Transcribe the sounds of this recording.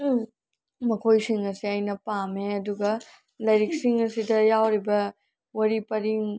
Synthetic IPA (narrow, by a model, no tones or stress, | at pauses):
mɐkʰojsiŋɐsiɐjnɐpameɐduɡɐ | lɐjɾik̚siŋɐsidɐjawɾibɐ | wɐɾipɐɾiŋ